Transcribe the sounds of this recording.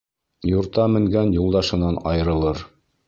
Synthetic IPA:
juɾt̪ɑmɘ̆ŋɡænjulˠd̪ɑʃɤ̆nɑnɑjɤ̆ɾɤ̆lˠɤɾ

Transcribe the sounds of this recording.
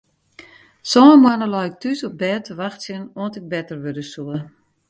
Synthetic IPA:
sɔəmwanəlɔjɪk̚tysɔp̚bɛːtʰəʋaxtsjənoəntɪk̚bɛtərʋødəsuə

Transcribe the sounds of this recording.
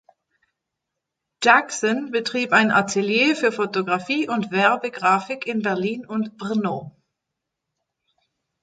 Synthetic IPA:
d͡ʒaksɔnbətʁ̥iːpaɪnʔa̰tʰeljeːfyːɐfotoɡʁafiːʔʊntv̥ɛɐbəɡʁaːfɪkʰɪnbɛɐliːnʊntb̥ʁɪnoː

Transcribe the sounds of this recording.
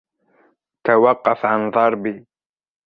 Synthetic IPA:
t̪awɑqːɑfʕanðˤɑɾˤbiː

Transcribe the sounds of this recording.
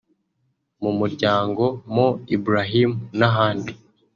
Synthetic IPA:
mumuɾɟaːŋɡo̞moibuɾaɦimunaɦaːndi

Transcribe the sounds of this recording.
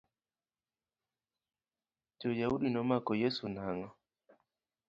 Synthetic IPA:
d͡ʒojauɗinɔmakɔjesunaŋɔ

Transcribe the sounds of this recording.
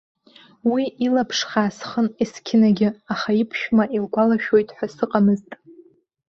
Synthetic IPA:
wiʔilapʰʂχaːsχəniskʲʰɪnaɡʲɪaχaipʰʃᶣmaʔilɡʷalaʃᶣo̞jtʼħʷᶣasɨqʼamɨztʼ

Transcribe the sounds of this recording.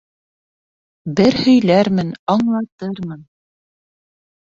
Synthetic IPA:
bɘɾhɵ̆jlæɾmɘnɑɴlˠɑt̪ɤɾmɤn

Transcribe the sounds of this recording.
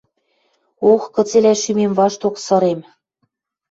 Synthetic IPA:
oxkɤ̆t͡selæʃymemvɑʃt̪oksɤ̆ɾem

